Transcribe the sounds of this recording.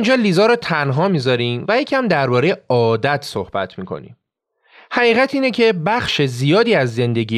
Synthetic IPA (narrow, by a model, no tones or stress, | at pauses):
nd͡ʒɒːliːzɒɾot̪ʰænɦɒːmiːzɒɾiːmvæjecʰæmd̪æɾbɒːɾe̞jeɒːd̪æt̪ʰsohb̥æt̪ʰmiːkʰo̞̰nḭm | hæɣiːɣæt̪ʰiːne̞cʰe̞bæχʃezijɒːd̪iːæzːe̞nd̪e̞ɟiː